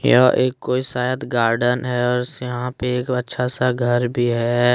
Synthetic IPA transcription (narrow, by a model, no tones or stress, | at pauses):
jaʔeːkːoːisaːjət̪ɡaːɾɖənɦɛɔːɾsjɐɦãpeːkɐtːʃʰasaɡʱəɾbʱiɦɛː